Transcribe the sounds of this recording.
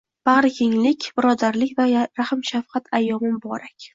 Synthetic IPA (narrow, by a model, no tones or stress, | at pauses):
b̥aʁɾɪkʲʰeŋlɪkʲbɪɾɒd̪aɾlɪkʲvaɾahɪmʃafqɑt̪ʰajːɒmɪmbɒɾakʲ